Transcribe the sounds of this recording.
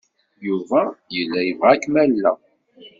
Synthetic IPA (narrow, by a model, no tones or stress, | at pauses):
juvæjəlːæjəvʁækːmælːæ